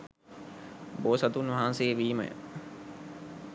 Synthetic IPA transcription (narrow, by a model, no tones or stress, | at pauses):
boːsɐt̪unʋɐɦansejʋiːmə̰jə̰